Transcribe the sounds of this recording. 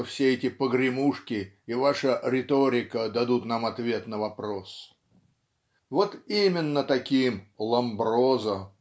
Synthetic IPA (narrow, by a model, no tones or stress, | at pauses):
fsʲeɛtʲɪpəɡɾʲɪmuʂkʲɪ | ɪvaʂəɾʲɪt̪oɾʲɪkəd̪ɐd̪ut̪namɐt̪vʲe̞t̪nəvɐpɾos | vo̞t̪imʲɪnːət̪ɐkʲimlˠɐmbɾo̞zə